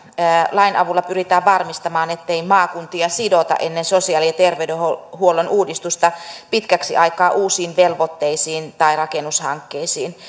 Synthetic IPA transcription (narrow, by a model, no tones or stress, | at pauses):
əːlɑinʔɑʋulːɑpyrit̪æːʋʋɑrmist̪ɑmɑːnet̪ːeimɑːkunt̪iɑsidot̪ɑ̰ʔenːensosiɑliet̪erʋeydehohuolːenʔuːdist̪ust̪ɑpit̪kæksḭʔɑikɑːʔuːsiːnʋelʋot̪ːeisiːnt̪ɑirɑkenushɑ̰ŋkːeisiːn